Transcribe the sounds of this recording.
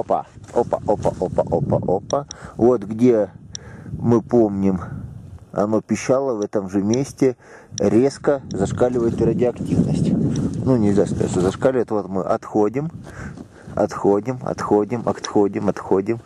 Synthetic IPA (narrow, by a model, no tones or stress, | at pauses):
opə̰opə̰ʔopɐ̰ʔopə̰ʔopə̰ʔopəvo̞t̪ɡdʲe̞ | mɨpomnʲɪm | ɐ̰no̞pʲɪɕːalˠəvɛt̪əmʐɨmʲesʲtʲɪ | ɾʲe̞skəzɐʂkalʲɪvəjɪt̪rɐdʲɪɐktʲivnəsʲtʲnunʲɪlʲzʲast̪ɛ̰t̪səzɐʂkalʲɪvət̪vo̞t̪mɨʔɐt̪xodʲɪm | ɐ̰t̪xodʲɪmɐ̰t̪xo̞dʲɪmɐ̰kt̪xo̞dʲɪmɐt̪xo̞dʲɪm